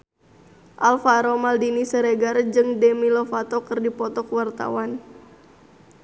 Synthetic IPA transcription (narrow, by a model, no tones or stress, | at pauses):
ʔalfaɾomaldinisəɾeɡard͡ʒɨŋdɛmilofat̪ɔkɨrdipɔt̪ɔkwart̪a̰wan